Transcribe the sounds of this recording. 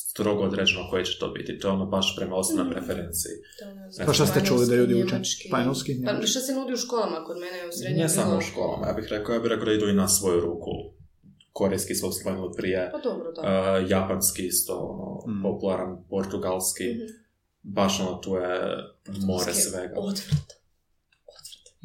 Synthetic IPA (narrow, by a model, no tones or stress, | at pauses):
st̪ɾo̞ɡood̪ɾed͡ʑenokojet͡ɕɛ̥t̪o̞̰ːbḭt̪it̪ojeonobaʃpɾemaosonojpɾefeɾent̪sḭi | neɡpaʃt̪ast̪ɛt͡ʃulid̪aʎuːd̪iut͡ʃepaɲolskinaʋiʃesenuːd̪iuʃkolˠamakomeneosnesamouʃko̞̰ːlˠa̰ma̰jaːbixɾekaojaːbiɾekod̪aid̪uinasʋo̞juɾuːkʰṵ | koɾejskisosonilipɾijed̪obɾd̪japanskiist̪o̰o̰no̰populˠaɾanpoɾt̪uɡalˠski | baʃonot̪uːjḛ | moɾesʋeɡa̰t̪ɾt̪ | ot̪t̪